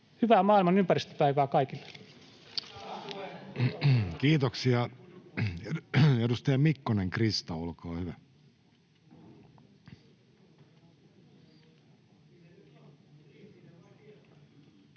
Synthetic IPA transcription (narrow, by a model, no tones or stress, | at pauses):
hyʋæːmɑːilmɑnympærist̪ø̥pæiʋæːkɑikilːe̥ | kiːt̪oksiɑ | edust̪ɑjɑmikːoneŋkrist̪ɑolkoːhyʋæ